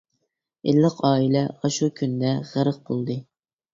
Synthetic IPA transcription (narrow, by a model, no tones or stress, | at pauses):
elːəqɑːilɛɑʃukʲʰynd̪ɛʁæɾəq̚bolˠd̪ɨ